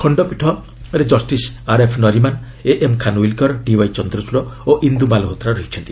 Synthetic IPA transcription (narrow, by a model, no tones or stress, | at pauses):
kʰɔɳɖɔpiʈʰɔ | ɾed͡ʒɔsʈisaɾepʰnɔɾiman | eʔemkʰanwilkɔɾɖiwajt͡ʃɔnd̪ɾɔt͡ʃuɽɔoʔind̪umalɦot̪ɾaɾuɦekʰi̥t͡ʃʰɔnt̪i